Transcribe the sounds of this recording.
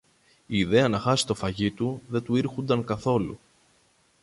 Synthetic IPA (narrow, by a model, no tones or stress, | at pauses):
iːðe̞ɐnɐxɐsi̥t̪o̞fɐʝit̪uðe̞t̪uiɾxund̪ɐŋkɐθo̞lṵ